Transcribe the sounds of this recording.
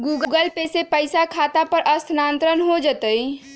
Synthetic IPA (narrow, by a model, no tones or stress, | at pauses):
ɡuɡəɡəlpesepəɪsakʰat̪apəɾʔəst̪ʰnant̪ɾənɦod͡ʒət̪əj